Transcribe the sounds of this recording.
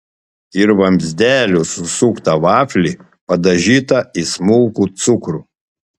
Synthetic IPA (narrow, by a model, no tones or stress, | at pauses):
ɪɾʋɐmʲzʲd̪ʲæːlʲusʊsukt̪ɐʋɑːfʲlʲiːˑ | pɐd̪ɐʒʲiːt̪ɐismʊlˠkut̪sʊkɾuː